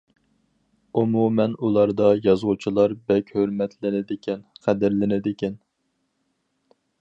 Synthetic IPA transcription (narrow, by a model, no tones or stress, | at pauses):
umumɛnulˠɑɾd̪ɑjɑzʁʊt͡ʃʰilˠɑɾbɛkʲhøɾmɛt̪ʰlɪnɪd̪ɪkʲʰɛnqʰæd̪ɪɾlɪnɪd̪ɪkʲɛn